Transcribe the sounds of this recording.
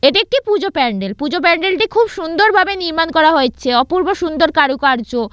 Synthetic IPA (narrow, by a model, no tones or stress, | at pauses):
eʈiek̚ʈipud͡ʑopɛɳɖelpud͡ʑop̬ɛɳɖelʈikʰubʃund̪oɾbʱabeniɾmankɔɾaɦoet͡ɕʰeɔpuɾboʃund̪oɾkaɾukaɾd͡ʑo